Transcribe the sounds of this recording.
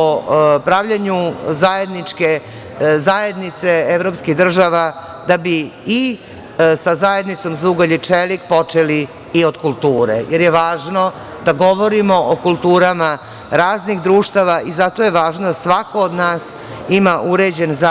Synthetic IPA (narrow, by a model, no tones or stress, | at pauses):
opɾaʋʎaɲuzajed̪nit͡ʂke̞ | zajed̪nit̪seeʋɾoːpskiɣd̪r̩ʒaʋa | d̪abii | sazaje̞d̪nit̪so̞mzuɡoʎit͡ʃelikpo̞t͡ʂeliː | od̪kulˠt̪uːɾḛjeɾjeʋaːʒno̞ | d̪aɡo̞ʋo̞ɾimo̞ʔokulˠt̪uːɾama | ɾaːzniɣd̪ɾuːʃt̪aʋaʔizat̪o̞jeʋaːʒnod̪asʋako̞od̪naːs | imaʔuɾed͡ʑe̞nza